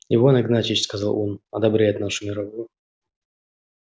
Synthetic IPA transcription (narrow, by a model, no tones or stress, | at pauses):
jɪvonʲɪɡnat͡ɕʲiɕskɐzalˠonɐd̪ɐbɾʲæjɪt̪naʂʊmʲɪɾɐvujʊ